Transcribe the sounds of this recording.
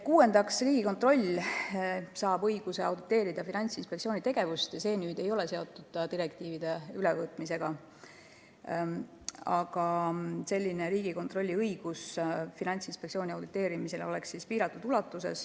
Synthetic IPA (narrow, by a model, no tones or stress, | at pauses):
kuːe̞nd̪ɑksriːɡ̥iko̞nt̪ro̞lʲ | sɑːbɤjɡ̥use̞ɑ̰wd̪it̪ːˑe̞ːɾid̪ɑfinɑnʲt̪sinspektsio̞ːnʲit̪e̞ɡ̥e̞vust̪ɑse̞ːnyːd̪̥e̞jo̞lese̞o̞t̪ːˑud̪̥t̪iɾekt̪iːvid̪e̞ylɛvɤːt̪ˑmise̞ɡ̥ɑ | ɑɡ̥ɑse̞lʲːine̞ɾiːɡiko̞nt̪ro̞lʲːiɤjɡ̥usfinɑnʲt̪sinspeksio̞ːniɑwd̪it̪ːˑe̞ːɾimise̞leo̞le̞kssispiːɾɑt̪ːˑud̪ulɑt̪ːˑuse̞̰s